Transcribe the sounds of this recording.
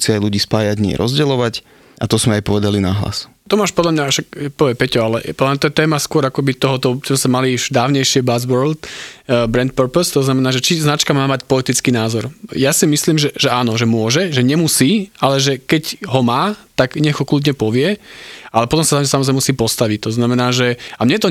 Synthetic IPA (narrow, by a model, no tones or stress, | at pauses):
siajluɟiːspaːjaɟɲɪɛ̰ɾʔɔzɟɛlɔʋac | ʔat̪ɔzmɛajpɔʋɛd̪alinaɦla̰s | t̪ɔmaːʃpɔd̪lamɲaʃakpɔʋɪɛmpɛcɔalɛ̰pɔd̪lamɲat̪ɔjɛt̪ɛːmaskʊɔɾakɔbit̪ɔɦɔt̪ɔzmɛsamaliʃd̪aːʊɲɛjʃɪɛbazʋɔɾlt̪bɾɛnt̪̚pəɾpɔst̪ɔznamɛnaːʒɛt͡ʃiznat͡ʃkamaːmacpɔlit̪it͡skiːnaːzɔɾjasimisliːmʒɛʒɛaːnɔʒɛmʊɔʒɛʒɛɲɛmusiːalɛʒɛkɛɟɦɔmaːt̪aɡɲɛɣɔkluːd̪ɲɛpɔʋɪɛalɛpɔt̪ɔmsat̪amsamɔzɾɛɛmusiːpɔst̪aʋict̪ɔznamɛnaːʒɛamɲɛt̪ɔ